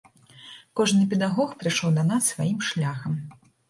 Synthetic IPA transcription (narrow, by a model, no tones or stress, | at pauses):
kɔʐnɨpʲɛd̪aɣɔxpɾɨʂɔwd̪ɐnasːvajimʂlʲaxɐm